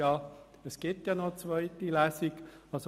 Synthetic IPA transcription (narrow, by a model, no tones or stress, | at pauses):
ɑː | əsɡ̥ɪtjɑːnɔt͡svœɪtilæːsiɡɑso